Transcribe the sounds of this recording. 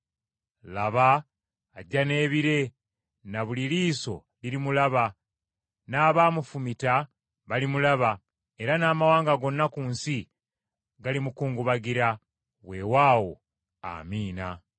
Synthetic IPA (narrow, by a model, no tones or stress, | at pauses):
laβaː | ɟːane̞ːβiɾe̞ | naβuliliːso̞ | liɾimulaβa | naːβamufumita | βalimulaβa | e̞ɾanaːmawaːŋɡaɡo̞nːakuːnsi | ɡalimukuːŋɡuβaɡiɾa | we̞waːwo̞̰ | a̰miːna